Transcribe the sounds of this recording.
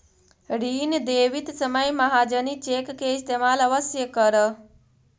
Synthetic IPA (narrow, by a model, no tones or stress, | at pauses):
ɽiːnd̪eːʋit̪səməjmɐɦad͡ʒənit͡ʃeːkːeɪst̪eːmalɐʋəsjəkəɾə